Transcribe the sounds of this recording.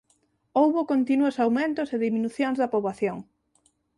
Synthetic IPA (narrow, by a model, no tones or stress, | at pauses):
owβʊkont̪inuosawmẽnt̪ʊseðimĩnuθjoŋzðɐpoβlaθjoŋ